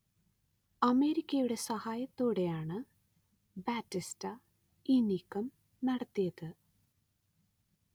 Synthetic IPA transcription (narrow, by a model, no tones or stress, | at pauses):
ɐme̞ːɾikʲːɐjuɽe̞sɐhaːjɐt̪ːoːɽe̞jaːɳɨ | baːtːistɐ | inikːɐm | nɐɽɐt̪ːijɐðɨ